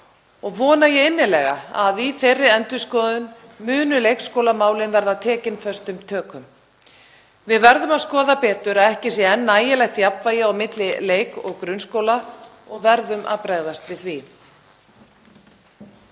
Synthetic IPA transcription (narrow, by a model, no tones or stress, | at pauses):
ɔɣvɔːnajɛɪnːɪlɛɣa̰aðiθejrːɪɛnt̪ʏskɔːðʏn | mʏːnʏlejkskoːwlamaːwlɪnvɛɾðat̪ʰɛːcɪnfœst̪ʏmt̪ʰœːkʏm | vɪðvɛɾðʏmaðskɔːðapɛːt̪ʏɾaðɛhcɪsjɛɛnːaːjɪlɛxt̪japvaːjɪawmɪt̪lɪleːjkɔɣkɾʏnskoːwla | ɔɣvɛɾðʏmʔa̰ðpɾɛɣðast̪vɪðθvi